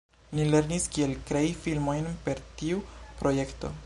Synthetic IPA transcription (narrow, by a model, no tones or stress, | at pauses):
nile̞ɾniskie̞lkɾejifilmo̞jnpe̞ɾtiupɾo̞je̞kto̞̰